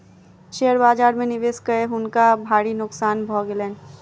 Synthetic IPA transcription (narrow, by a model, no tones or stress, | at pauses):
ʃeːəɾbaːd͡ʒaːɾmẽnɪʋeːskəeɦʊnkabʱaːɽinʊksaːnbʱɔːɡelɛ̃ːn